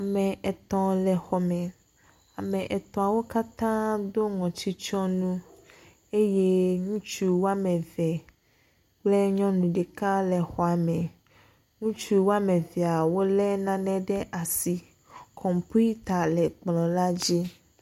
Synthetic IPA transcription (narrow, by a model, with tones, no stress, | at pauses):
a˨mɛ˨ʔɛ˨t̪ɔ̃˨lɛ˨xɔ˨mɛ̃˨ | a˨mɛ̃˨ʔɛ˨t̪ɔ̃˨a˨wo˦ka˦t̪ã˦d̪o˦ŋɔ̃˨t͡ɕi˦t͡ʃɔ̃˦nũ˦ | e˦je˦ŋũ˦t͡ʃu˦wo˦a˦mɛ̃˨vɛ˨ | k͡ple˦ɲɔ̃˦nũ˨ɖɛ˨ka˦lɛ˨xɔ˨a˨mɛ̃˨ | ŋũ˦t͡ʃu˦wo˦a˦mẽ˨vi˨a˨wo˦lɛ˦nã˦nɛ̃˦ɖɛ˦ʔa˨si˨ | kʰɔ̃˨mpu˦i˦t̪a˨lɛ˨k͡plɔ̃˨la˦d͡ʑi˦